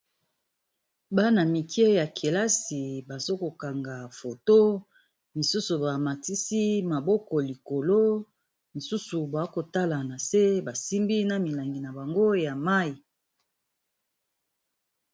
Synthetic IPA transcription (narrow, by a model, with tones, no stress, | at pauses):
ba˦na˨mi˨kʰe˦ja˨kʰe˨la˦si˨ba˨zo˦ko˨ka˨ŋɡa˨fo˨to˦ | mi˨su˦su˨ba˨ma˨ti˦si˦ma˨bɔ˦kɔ˨li˨ko˨lo˦ | mi˨su˦su˨bwko˨ta˦la˨na˨se˦ba˨si˦mbi˦na˨mi˨la˨ŋɡi˨na˨ba˨ŋɡo˦ja˨ma˦i˨